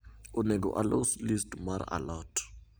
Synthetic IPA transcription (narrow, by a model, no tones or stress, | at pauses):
ʊnɛɡɔ̰ʔa̰loslistmaɾa̰lɔtʰ